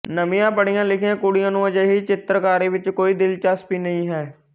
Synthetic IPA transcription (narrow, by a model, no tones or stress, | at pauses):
nəmĩjãːpəɽijãːlɪkʰjẽːkuɽijãːnũːəd͡ʒəːɦiːt͡ʃɪt̪ɾəkaːɾiːʋɪt͡ʃkoːiːd̪ɪlt͡ʃaːspiːnəɦĩːɦɛː